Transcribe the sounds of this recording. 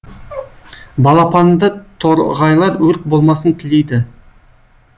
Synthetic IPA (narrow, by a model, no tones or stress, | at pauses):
bɑlˠɑpʰɑnd̪ət̪ʰoɾʁɑjlˠɑɾwɵɾk̪̚bo̞lˠmɑsənt̪ʰɪlejd̪ɪ